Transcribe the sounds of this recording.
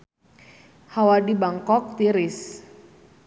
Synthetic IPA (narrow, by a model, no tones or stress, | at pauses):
hawadibaŋkɔk̚t̪iɾɪs